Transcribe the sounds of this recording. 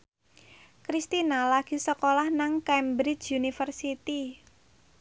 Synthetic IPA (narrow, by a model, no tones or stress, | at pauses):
kɾist̪inalaɡ̥i̤səkolahnaŋkɛmbɾid͡ʒunifərsit̪i